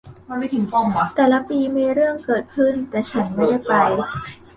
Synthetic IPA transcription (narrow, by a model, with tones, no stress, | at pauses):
ma˧nma˧˩t̪ʰɯ˩˦ŋkɔ˧˩ma˧t̪ɛː˨˩la˦˥piː˧miː˧ɾɯ˥˩əŋkɤː˨˩t̪̚kʰɯ˥˩nt̪ɛː˨˩t͡ɕʰa˦˥nma˥˩da˥˩jpa˧j